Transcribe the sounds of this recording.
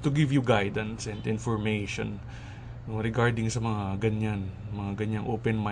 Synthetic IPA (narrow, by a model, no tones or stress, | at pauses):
t̪ʊɡɪvjuɡajd̪ɐ̃nsɛ̃nd̪ɪ̃nfɔɹmejʃɔ̰̃n | oɾɪɡaɹd̪ɪŋsɐmɐŋaɡɐɲanmɐŋaɡɐɲaŋʔoːpɛnma